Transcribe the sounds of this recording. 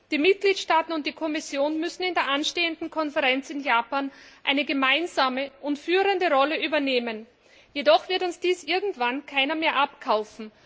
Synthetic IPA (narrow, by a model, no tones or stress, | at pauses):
d̥iːmɪt̚ɡ̥liːtʃtaːtn̩ʊnt̚d̥iːkʰɔmɪsjoːnmʏsn̩ɪndeːɐʔanʃteːəndn̩kʰɔnfɛʁɛnt͡sɪnjaːpaːnʔaɪnəɡəmaɪnzaːməʔʊntfyːʁəndəʁɔləʔyːbɐneːmən | jedɔχv̥ɪɐtʊnsd̥iːsʔɪɐɡŋ̩tv̥ankʰaɪnɐmeːɐʔapkʰaʊfn̩